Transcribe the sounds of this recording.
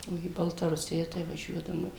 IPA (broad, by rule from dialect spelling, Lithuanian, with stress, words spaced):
oː iː bɐlˠtɐˈrʊsʲɪjɛ tɐɪ ʋɐˈʒʲuɔdɐʋoːm